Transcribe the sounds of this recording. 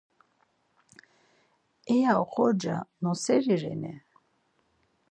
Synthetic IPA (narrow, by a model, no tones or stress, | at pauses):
ɛjaɔχɔd͡ʒa̰nɔsɛɾiɾɛ̰nɛ